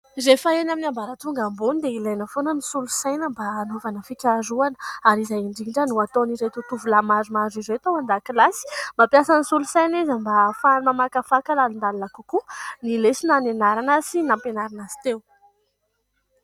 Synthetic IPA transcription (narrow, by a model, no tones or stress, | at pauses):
zefaenaminiambaɾət̪uŋɡambunid̪eilajnəfonənisulusajnəmbaːnovanəfikʲaɾuanə̥aɾizajiɳɖ͡ʐiɳɖ͡ʐənuat̪onizet̪ut̪uvulamazumazizet̪owand̪akilasi̥mapjasanisulusajnizəmbafamamakafakalalund̪alunakukunilesinanenaɾanasinampenaɾanazi̥t̪ew